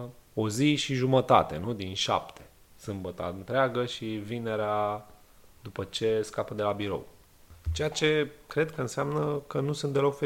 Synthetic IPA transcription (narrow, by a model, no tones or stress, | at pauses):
o̞ziʃiʒumət̪a̰t̪e̞̰nud̪inʃa̰pt̪ʰe | sɨmbət̪a̰ɨnt̪ɾeaɡəʃivine̞ɾea | d̪upət͡ʃe̞skapəd̪e̞labiɾo̞̰w | t͡ʃe̞jat͡ʃe̞kɾe̞d̪kəɨnseamnəkənusunt̪̚d̪elo̞kfe